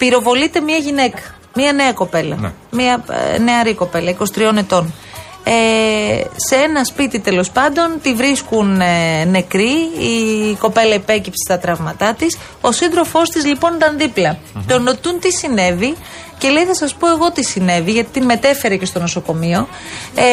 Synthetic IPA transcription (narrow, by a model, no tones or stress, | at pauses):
piɾo̞vo̞lit̪e̞mɲɐʝine̞kɐ̥ | miɐne̞ɐko̞pe̞lɐ̰miɐne̞ɐɾiko̞pe̞lɐiko̞si̥t̪ɾio̞ne̞t̪o̞n | e | seenɐspit̪it̪e̞lo̞spɐnd̪o̞nt̪ivɾiskunne̞kɾiiko̞pe̞lɐipe̞cipse̥st̪ɐt̪ɾɐvmɐt̪ɐt̪is | o̞sind̪ɾo̞fo̞st̪izlipo̞nd̪ɐnðiplɐ | t̪o̞no̞t̪unt̪isine̞vi | ce̞le̞jθɐsɐspo̞e̞ɣo̞t̪isine̞viʝɐt̪it̪inme̞t̪e̞fe̞ɾece̞st̪o̞no̞soko̞mio̞